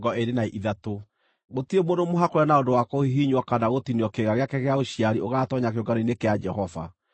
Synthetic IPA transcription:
ɡɔeɾenaiʔiðato | ɣotiemodomoɦakoɾɛnaodowakɔhiɦiɲwakanaɣotiniɔkeɣaɣeakɛɣeaoɕiaɾioɣaːtɔɲak̬eoɡaɾoinekead͡ʒɛɦɔva̰

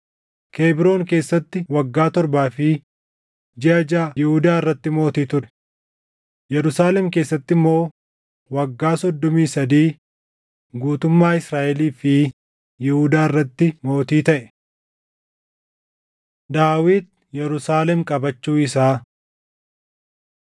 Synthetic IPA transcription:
kʰe̞ːbɪɾo̞ːŋke̞ːsːɐt̪ːɪwɐɡːaːt̪ɔɾbaːfɪ | d͡ʒɪɐd͡ʒaːjɪhʊd̪aːɪrːɐt̪ːɪmo̞ːt̪iːt̪ʊɾɛ̥ | jɛɾʊsaːlɛmke̞ːsːɐt̪ːɪmːo̞ː | wɐɡːaːsɔd̪ːɔmiːsɐd̪iː | ɡuːt̪ʊmːaːɪsɾaːʔɛliːfɪ | jɪhʊd̪aːɪrːɐt̪ːɪmo̞ːt̪iːt̪ɐʔɛ | d̪aːwiːd̪̚ | jɛɾʊsaːlɛmkʼɐbɐt͡ʃːuːɪsaː

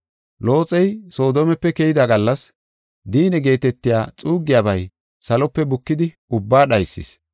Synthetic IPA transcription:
lo̞ːt͡sʼɛjso̞ːd̪oːmɛpːɛkɛjɪd̪aɡɐlːɐs | d̪iːnɛɡe̞ːt̪ɛt̪ːɪjaːt͡sʼuːɡɪjaːbɐj | sɐlɔpːɛbʊkːɪd̪ɪ | ʊbːaːɗɐjsːɪ̰s

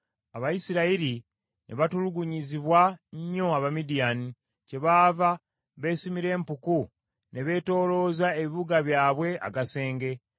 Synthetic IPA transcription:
aβajisiɾaiɾi | nʔe̞̰βatuluɡuɲiziβwaɲːo̞aβamidijani | ce̞βaːva | βe̞ːsimiɾe̞ːmpuku | ne̞βe̞ːto̞ːlo̞ːzaeβiβuɡaβjaːβwe̞a̰ɡase̞ːŋɡe̞

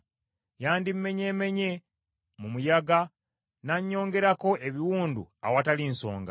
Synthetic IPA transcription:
jaːndim̩me̞ɲe̞ːme̞ɲe̞ | mumujaɡa | naɲːo̞ːŋɡe̞ɾako̞ʔe̞βiwuːndṵa̰watalinso̞̰ːŋɡa̰

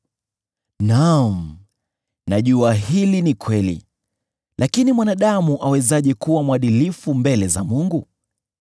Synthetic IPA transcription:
nam̩ | naʄuahilinikwɛlḭ | lʔakinimwanaɗamuʔawɛzaʄɛkuwamwaɗilifumbɛlɛzamuŋɡu

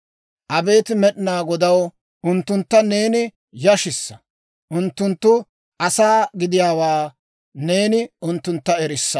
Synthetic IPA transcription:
ʔɐbe̞ːt̪ɪmɛɗɪnaːɡɔd̪ɐw | ʔʊnt̪ːʊnt̪ːɐne̞ːnɪ | jɐʃɪsːɐ̥ | ʔʊnt̪ːʊnt̪ːʊ | ʔɐsaːɡɪd̪ɪjaːwaː | ne̞ːnɪʔʊnt̪ːʊnt̪ːɐɛɾɪsːɐ

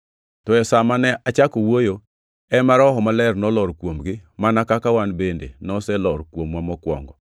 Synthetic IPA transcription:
tɔɛsamanɛʔat͡ʃakowojo | ɛmaɾɔɦɔmalɛrnɔlɔɾkwomɡɪmanakakawanbendḛnɔsɛlɔɾkwomwamɔkwɔ̰ŋɡɔ

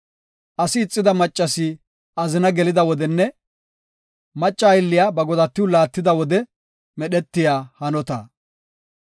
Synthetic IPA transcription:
ʔɐsɪːt͡sʼːɪd̪ɐmɐt͡ʃʼːɐsɪ | ɐzɪnɐɡɛlɪd̪ɐwɔd̪ɛnːɛ | mɐt͡ʃʼːɐjɪlːɪjaːbɐɡɔd̪ɐt̪ːɪwʊlaːt̪ːɪd̪ɐwɔd̪ɛ | mɛɗɛt̪ːɪjaːhɐnɔt̪ɐ̰

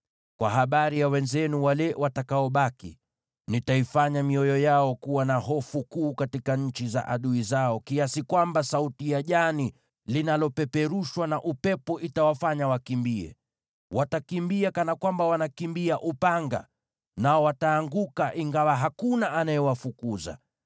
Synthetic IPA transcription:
kwa̰ɦaɓaɾijawɛnzɛnuwalɛwatakaɔɓakḭ | nitaifaɲamiɔjɔjaɔkuwanaɦɔfukuːkatikaɲ̩t͡ʃiza̰ʔaɗuizaɔkiasikwambasautijaʄani | linalɔpɛpɛɾuʃwanaʔupɛpɔʔitawafaɲawakimbiɛ̰ | wʔatakimbiakanakwambawanakimbiaʔupaŋɡa̰ | naɔwataːŋɡukaʔiŋɡawaɦakunaʔanajɛwafukuza̰

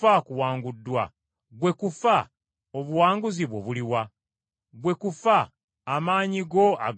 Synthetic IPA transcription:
akuwaːŋɡudːwa | ɡwe̞kufa | oβuwaːŋɡuziβwoβuliwa | ɡwe̞kufaː | maːɲiɡo̞a̰ɡ

